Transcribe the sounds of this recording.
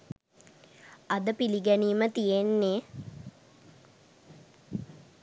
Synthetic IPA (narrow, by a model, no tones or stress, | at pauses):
ɐd̪əpiliɡæniːmət̪ijenːe